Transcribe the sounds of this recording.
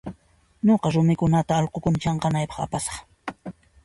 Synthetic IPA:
ɲoqɑɾʊmɪkʊnat̪aːlqokʊnt͡ʃɑɴqɑnajpɑ̥χa̰pasɑ̥χ

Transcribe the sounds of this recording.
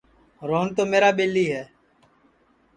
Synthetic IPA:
ɾoːnt̪oːmeːɾaːɓeːlːiːɦɛː

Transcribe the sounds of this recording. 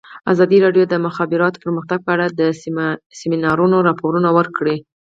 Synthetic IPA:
a̰zɑd̪iɾɑɖjod̪əmʊxɑbɪɾɑt̪o̥pəɾməxt̪aɡ̚pəaɽad̪əsɪminɑɾunoɾɑpoɾunawəɾkɽe

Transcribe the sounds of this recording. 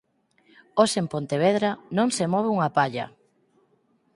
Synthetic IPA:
osempont̪eβeðɾanõŋsemɔβ̞euŋapaʎa̰

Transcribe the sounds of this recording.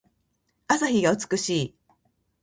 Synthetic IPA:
asaçiɡaɯ̟t͡sɨ̥kɯ̟ɕiː

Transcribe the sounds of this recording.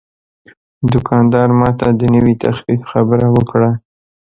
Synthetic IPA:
d̪ʊkʰɑnd̪ɑɾmɑt̪ad̪ənəwit̪ʰaxfifxabəɾawəkɽa

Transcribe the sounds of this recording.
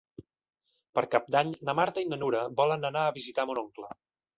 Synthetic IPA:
pəɾkap̚d̪aɲnəmaɾt̪əinənuɾəbɔlənənaəβizit̪amunoŋklə

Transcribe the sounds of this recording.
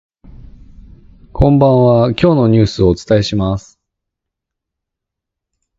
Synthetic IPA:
kʰõ̞mbãɰ̃βakʲo̞ːno̞ɲ̟ɨːsɨo̞ːt͡sɨ̥t̪ae̞ɕimasɨ̥

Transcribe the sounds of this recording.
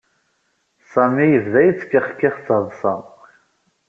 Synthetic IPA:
sˤæmijəvðæjət͡sːkːaχkːɪχt͡sːəðˤsˤɑ

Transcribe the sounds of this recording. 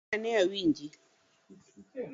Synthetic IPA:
anɛawiɲd͡ʒi

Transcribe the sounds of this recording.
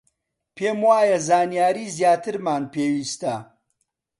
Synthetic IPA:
pʰeːmwaːjɐzaːnijaːɾiːzjaːt̪ʰɨɾmaːnpʰeːwiːst̪ɐ

